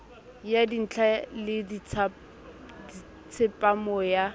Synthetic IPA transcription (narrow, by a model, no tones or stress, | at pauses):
jadin̩t͡ɬʰalɪdt͡sʰ | di | t͡sʰɪpʼamɔja